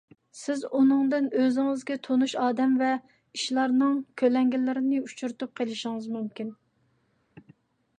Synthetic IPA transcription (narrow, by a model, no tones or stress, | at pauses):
sɪzunɨŋd̪ɨnøzɪŋɪzɡʲɛt̪ʰonuʃɑːd̪ɛmvɛ | iʃlˠɑɾnɨŋkʲʰølɛŋɡʲilɪɾɪnɪut͡ʃʰuɾt̪up̚qʰelˠɪʃɪŋɨzmymkʲin